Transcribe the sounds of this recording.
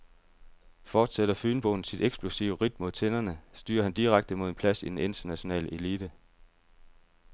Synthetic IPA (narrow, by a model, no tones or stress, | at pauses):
fɒːd̥seɾ̥ɐfyːnb̥o̝ːn̩sid̥eɡ̥sb̥lusiʊəʁid̥̚mo̝ðˠt͡sʰe̝nɐnəsd̥y̰ːɐɦhænd̥iʁaɡ̥̚d̥əmo̝ðˠe̝npʰlæsid̥ene̝nt͡sʰɐnæɕo̝nɛ̰ːləʔe̝liːd̥ə